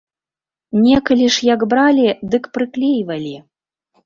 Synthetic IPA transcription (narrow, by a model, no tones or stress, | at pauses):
nʲɛkɐlʲiʂjakbɾalʲid̪ɨkpɾɨklʲejvɐlʲi